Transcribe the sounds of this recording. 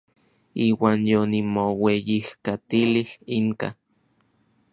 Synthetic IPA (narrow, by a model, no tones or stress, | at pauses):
iːwaːnjonimowejihkat̪ilihiŋka̰